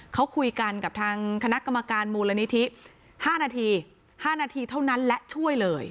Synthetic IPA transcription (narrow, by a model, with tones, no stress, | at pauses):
kʰa˦˥wkʰu˧jka˧nka˨˩p̚t̪ʰaː˧ŋkʰa˧na˦˥ʔka˧mːa˧kaː˧nmuː˧la˧ni˦˥t̪ʰi˦˥ | haː˥˩naː˧t̪ʰiː˧ | haː˥˩naː˧t̪ʰiː˧t̪ʰa˥˩wna˦˥nlɛ˦˥ʔt͡ɕʰu˥˩əjlɤː˧j